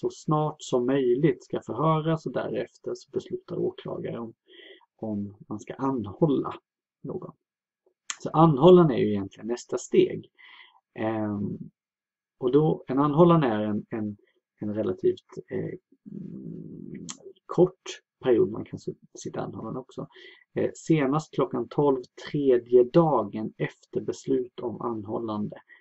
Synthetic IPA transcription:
sɔsnɑːʈsɔmːœjlɪt̪skafœɾɦœːɾasɔd̪æ̰ɾɛft̪əɾʂɔ̥bɛslʉ̟ːt̪ʰaɾoːkʰlɑ̰ːɡa̰ɾəɔm | ɔmːanskaʔanːhɔlːa̰ | no̰ːɡɔ̰n | sɔʔanːhɔlːanæ̰jɵɪjɛnt̪lɪɡənːɛst̪ast̪ḛːɡ | ɔd̪ɔɛnanːɦɔlːand̪əæɾɛnɛn | ɛnɾɛlʔat̪ʰiːft̪ | kʰɔʈː | pʰæɾɪuːd̪ma̰nkʰans | sɪt̪ːaa̰nːhɔlːand̪ɔksɔ | seːnast̪̚kʰlɔkːant̪ʰɔlvt̪ʰɾeːd̪jəd̪ɑːɡənɛft̪əɾbɛslʉ̟ːt̪ʰama̰nːhɔlːand̪ə

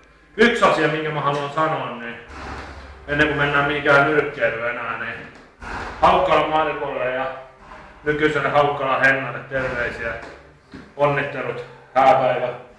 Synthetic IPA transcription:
yksɑsiɑmiŋkæmæhɑluɑnsɑnoɑnni | enːeŋkumenːæːmmihikæːmyrkːeirøenæːni | hɑukːɑlɑmmɑirpuleljɑ | nykysenhɑukːɑlɑheŋːɑnːet̪t̪erʋeisiæ | onːit̪ːelut̪hæːpæiʋæ

